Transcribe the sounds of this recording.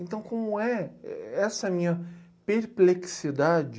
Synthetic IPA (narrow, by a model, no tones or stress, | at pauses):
ẽnt̪ɐ̃w̃kõmʊɛ̰ɛsɐɛmĩɲɐ | peɾpleksid̪ad͡ʒɪ